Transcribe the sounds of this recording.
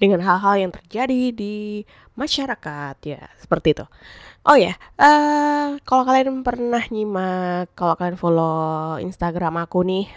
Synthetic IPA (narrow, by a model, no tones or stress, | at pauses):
dəŋanɦalɦaljaŋt̪ərd͡ʒadidi | maʃaɾakat̪̚ja̰sə̥pərt̪it̪u | ʔojaʔəkalokalianpərnahɲimakːalokalianfoloḭnst̪aɡɾamakunɪh